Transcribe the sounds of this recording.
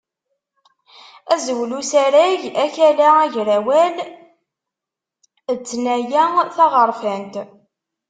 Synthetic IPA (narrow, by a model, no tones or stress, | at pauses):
æzəwlusæɾæʝæçælææʝɾæwæl | ət͡sːnæjæθɑʁəɾˤfænt̪